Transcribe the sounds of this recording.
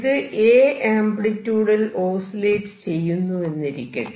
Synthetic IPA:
ðɨʔeːaːmbɽitːuːɽɐloːsileːʈɨ̥t͡ɕe̞jːunːue̞nːiɾikʲːɐ̰

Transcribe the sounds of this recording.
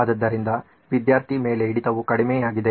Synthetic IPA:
d̪ɐd̪ːɐɾind̪ɐ | ʋid̪jaːɾt̪ʰime̞ːle̞iɽit̪ɐʋukɐɽimeːjaːɡid̪e̞

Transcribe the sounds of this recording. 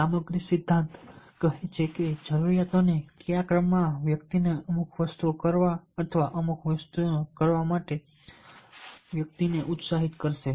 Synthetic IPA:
saməɡɾisɪd̪ʱːãnt̪kəɦet͡ʃʰeked͡ʒəɾuɾijat̪onekijakɾəmːãʋjək̚t̪ineəmukʰʋəst̪uokəɾʋaət̪ʰəʋaʔəmukʰʋəst̪ukəɾʋamaʈe | ʋjək̚t̪ineʔut̪saɦit̪kəɾʃe

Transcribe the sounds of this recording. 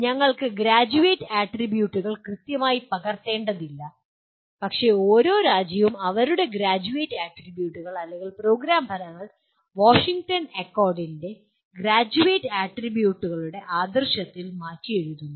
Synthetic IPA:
ɲɐŋːɐɭkɨɡɾaːd͡ʑuʋeːtːɨaːʈribjuːʈːuɣɐɭkrɨt̪jɐmaːjipɐɣɐrt̪ːe̞ːɳɖɐðilːɐ | pɐkʂe̞o̞ːɾo̞ːɾaːd͡ʑjɐʋumɐʋɐɾuɽe̞ɡɾaːd͡ʑuʋeːʈːaːʈribjuːʈːuɣɐɭɐlːeŋɡilpro̞ːɡɾaːmbʱɐɾɐŋːɐɭ | ʋoːʂiŋɡʈɐnɐkːoːrɖinde̞ | ɡɾaːd͡ʑuʋeːtːaːʈribjuːʈːuɣɐɭuɽe̞ʔaːd̪ɐrɕɐt̪ːilmaːrkːije̞ɻuðunːu

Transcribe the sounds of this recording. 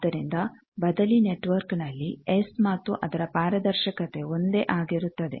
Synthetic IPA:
d̪ɐɾind̪ɐ | bɐd̪ɐline̞ʈʋɐɾknɐlːiesmaːt̪ːuʔɐd̪ɐɾɐpaːɾɐd̪ɐɾʃɐkɐt̪e̞o̞nd̪e̞ʔaːɡiɾut̪ːɐd̪e̞̰

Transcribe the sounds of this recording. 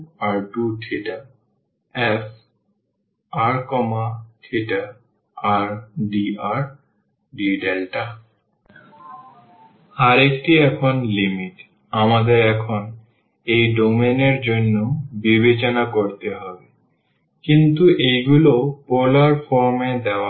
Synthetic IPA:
aɾɖuʈʰeʈa | ef | aɾkɔmaʈʰeʈa | aɾɖiaɾ | ɖiɖelʈa | aɾek̚ʈiɛkʰonlimiʈ | amad̪eɾɛkʰon | ejɖomeneɾd͡ʑonːobibet͡ɕonakoɾt̪eɦɔbe | kint̪uejɡulopɔlaɾfɔɾmed̪ɛoa

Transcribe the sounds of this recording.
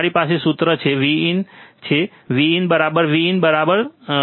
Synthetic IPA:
ɾipasesut̪ɾət͡ʃʰeʋiint͡ʃʰe | ʋiːnbəɾabəɾʋiːnbəɾabəɾ

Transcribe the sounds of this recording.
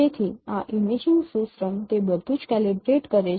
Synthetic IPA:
et̪ʰiaʔimid͡ʑiŋɡsusɾəmt̪ebəd̪ʱut͡ʃkælibɾeʈkəɾe

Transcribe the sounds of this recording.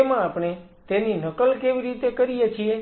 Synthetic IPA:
mãapɽ̃e | t̪eninəkəlkeʋiɾit̪ekəɾijet͡ʃʰie

